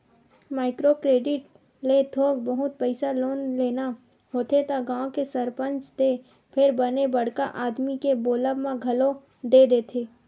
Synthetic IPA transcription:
maːɪkɾokɾeːɖɪʈ | let̪ʰoːɡbəɦʊt̪̚pəɪsaloːnleːna | ɦoːt̪ʰet̪aɡãːkesəɾpə̃nt͡ʃt̪e | pʰɪɾbənebəɽ̤kaʔaːd̪mikeboːləʋmãɡʱɐlo | d̪ed̪eːt̪ʰeː

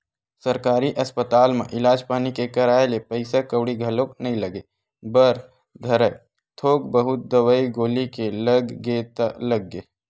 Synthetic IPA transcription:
sɐɾkaːɾiʔɐspət̪aːlmḛ̃ʔɪlaːd͡ʒpaːnikekɐɾaːelepəɪsakəwɽiɡʱɐloːknɐɦĩlɐɡeː | bəɾ | d̪ʱɐɾək | t̪ʰoːk̚bəɦʊt̪̚d̪ɐwəiɡoːlikeləɡːet̪alɐɡːeː

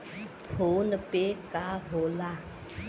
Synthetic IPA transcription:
hʰonəpekaɦola

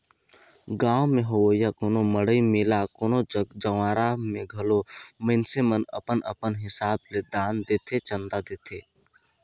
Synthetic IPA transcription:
ɡãːwmẽɦowəjakoːnoməɽəimɪlakoːnod͡ʒəʋaːɾamẽɡʱɐloməɪnsemənə̰pənə̰pənɦɪsaːbled̪aːnd̪eːt̪ʰet͡ʃə̃nd̪ad̪eːt̪ʰeː

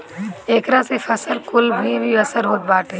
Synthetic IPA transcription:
eːkɾãsefʰɐsəlkʊlbʱbʱiɐsəɾɦoːt̪̚baːʈʰeː

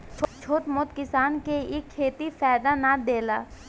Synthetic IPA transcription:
t͡ʃʰt͡ʃʰoːt̪moːt̪kɪsaːnkeɪkʰːeːt̪ifɛːd̪anad̪eːlaː

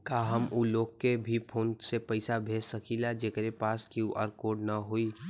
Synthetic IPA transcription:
kaɦəmuloːɡkːebʱipʰoːnsepəɪsabʱessəkilad͡ʒekɾepaskioʔə̰ɾkoɖnəɦoi

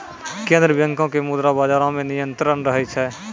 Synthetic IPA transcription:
kẽːnd̪ɾəbjə̃ŋkõkemud̪ɾabaːd͡ʒaːɾõmẽnɪjə̃nt̪ɾənɾəɦɛt͡ʃʰɛː

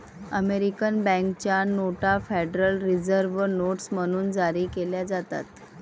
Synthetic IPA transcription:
əmeɾikənbɛ̃ŋkt͡ɕjanoʈafeɖɾəlɾid͡zəɾʋənoʈsm̤əɽ̃uːnd͡zaɾiːkeljad͡zat̪a̰t̪

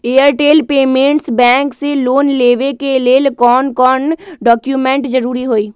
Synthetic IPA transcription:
eːəɾʈeːlpeːmẽɳʈsbɛ̃ːŋkseloːnleːʋekeleːlkɔːnkɔːɾnɖɔːkjumẽɳʈd͡ʒəɾuːɾiɦoːiː

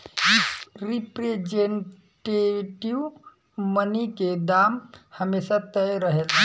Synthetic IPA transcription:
isɾipɾed͡ʒeɳ | ʈeʈiʋ | məniked̪amhəmesat̪əjɾəɦet̪ʰ

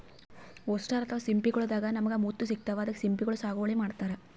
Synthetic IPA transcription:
ɔsʈaɾɐt̪ʰɐʋɐsimpikɐɭud̪aːɡɐnɐmɐɡemuːt̪ːus̬ik̚t̪ɐʋaːd̪ɐkːesimpiɡɐɭusaːɡoʋɐɭemaːɖt̪aːɾe

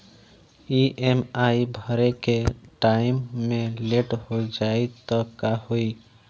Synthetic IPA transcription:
iʔemaibʱəɾekeʈaɪmːẽleʈhod͡ʒait̪ɔkahoi

